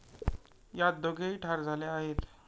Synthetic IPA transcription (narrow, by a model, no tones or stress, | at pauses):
jat̪̚d̪oɡʱeiʈʰaɾd͡zʱaleaɦet̪